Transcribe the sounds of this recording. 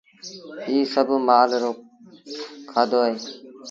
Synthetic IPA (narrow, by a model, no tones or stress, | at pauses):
iːsəbmaːlɾoː | kʰaːd̪oːe